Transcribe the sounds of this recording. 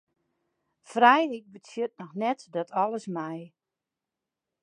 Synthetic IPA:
frɛjɪk̚bətjøt̚nɔxnɛtdɔtʰɔlˠəsmɛj

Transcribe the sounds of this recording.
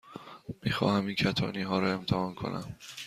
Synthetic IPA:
miːxɒ̰ːhæmincʰæt̪ʰɒːniːɦɒːɾɒe̞mt̪ʰæhɒːnkʰo̞̰nʔæ̰m

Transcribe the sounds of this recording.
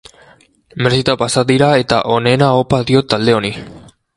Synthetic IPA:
meɾsit̪apasaðiɾae̞t̪a̰ʔo̞ne̞naopaðio̞t̪ald̪e̞o̞ni

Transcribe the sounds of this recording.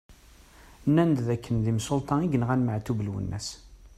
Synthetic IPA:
nːænd̪ðækːənðimsolt̪ˤɑiɡənʁænməʕt̪ublwə̰nːæ̰s

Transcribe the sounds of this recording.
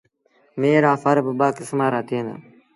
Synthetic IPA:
meːɾaːfəɾbəbaːkɪsmaːɾaːt̪ʰiːna̰

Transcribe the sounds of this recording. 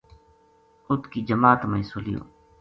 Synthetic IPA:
ʊt̪ʰkiːd͡ʒəmaːt̪məĩːsolɪjo̰ː

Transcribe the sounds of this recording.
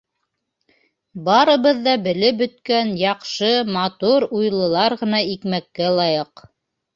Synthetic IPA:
bɑɾɤ̆βɤðːɑbɘ̆lɘp̚bɵ̆t̪̚kænjɑqʃɤmɑt̪uɾujlˠɤ̆lˠɑɾʁɤ̆nɑikmækːælˠɑjɤq

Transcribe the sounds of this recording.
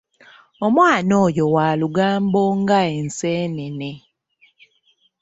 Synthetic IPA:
omwaːnoːjowaːluɡaːmboːŋɡaenseːnene

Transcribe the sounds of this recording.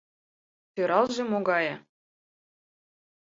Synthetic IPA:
t̪øɾɑlˠʒĕmoɡɑjɤ

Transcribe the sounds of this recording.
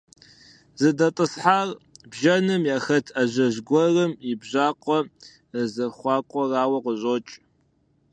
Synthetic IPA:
zɨdɐtʼɨsħarbʒɐnɨmjaːxɐtʰaʑɐʑɡʷɔrɨmɪbʑʷaːqʷʼɔ | əzɐχʷɑːkʷʼɔraːwɐqəɕʼoːt͡ʃʼ

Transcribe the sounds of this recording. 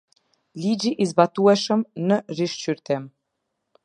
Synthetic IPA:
lid͡ʑiʔizbat̪uɛʃəmnəriʃt͡ɕyɾt̪ɛm

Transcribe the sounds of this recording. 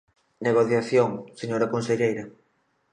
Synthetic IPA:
neɣoθjaθjoŋseɲoɾɐkonseʎejɾɐ

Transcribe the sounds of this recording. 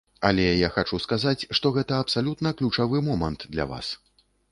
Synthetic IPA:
ɐlʲɛjaxat͡ʂuskazat͡sʲʂt̪ɔɣɛt̪ɐɐpsalʲut̪nɐklʲut͡ʂavɨmɔmɐnt̪d̪lʲɐ̰va̰s

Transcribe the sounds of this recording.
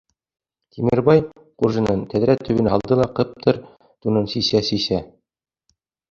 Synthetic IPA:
t̪ʰimɘ̆ɾbɑj | qurʒɤ̆nɤnt̪æðɾæt̪ʰːɵ̆βɘ̆nhɑlˠd̪ɤlˠɑqɤ̆p̚t̪ʰɤɾ | t̪unɤnsisæsisæ

